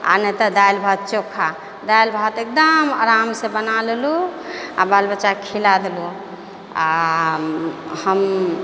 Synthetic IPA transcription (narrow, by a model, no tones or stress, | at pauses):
a̰nət̪əd̪ailbʱat̪̚t͡ʃokʰa | d̪ajlbʱat̪ek̚d̪əməɾamsẽbənalelua̰balbəʃakʰilad̪elu | a̰ | həm